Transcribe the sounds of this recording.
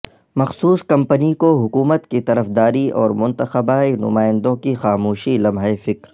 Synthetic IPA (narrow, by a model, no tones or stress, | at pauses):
mɐxsuːskɐ̃mpənikoɦʊkuːmət̪kit̪ɐɾəfd̪aːɾiɔːɾmʊ̃nt̪əxəbaːinʊ̰maːɪ̃nd̪õkixaːmuːʃilɐmɦəefɪkɾ